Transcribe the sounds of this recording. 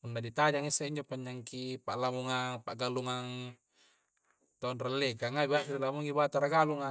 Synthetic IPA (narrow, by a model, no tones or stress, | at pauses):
punːadit̪ad͡ʒaŋisːaʔiɲd͡ʒopaɲːaŋkipaʔlamuŋaŋpaʔɡaluŋaŋ | t̪aunralːekaŋabatidilamuŋibat̪aɾaɡaluŋa